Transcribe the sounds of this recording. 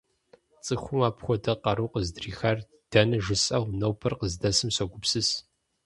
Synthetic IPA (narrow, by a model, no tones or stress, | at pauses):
t͡sʼɨxʷʊmaːpxʷɔdɐqɐɾuːqəzdriːxɐr | d̥ɐnɐʒɨsʼɐʁʷnɐwpʰɐrqəzdɐsɨmsɐɡʷʊpsɨs